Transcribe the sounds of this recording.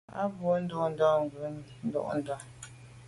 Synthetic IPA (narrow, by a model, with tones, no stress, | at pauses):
a̰˦bo˨˦n̩˦do˦n̩˦dɔ˦ŋ˨ɡʉ˨˦ | n̩˦dɔ̰˦ʔn̩˦dɔ˦